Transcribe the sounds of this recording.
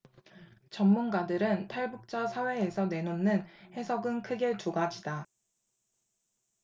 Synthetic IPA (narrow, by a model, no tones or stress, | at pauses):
t͡ɕʌmːunɡadɯɾɯntʰaɭbuk̚t͡ɕ͈asʰawe̞ːsʰʌne̞nonːɯnhe̞sʰʌɡɯnkʰɯɡet͡ɕoɡad͡ʑida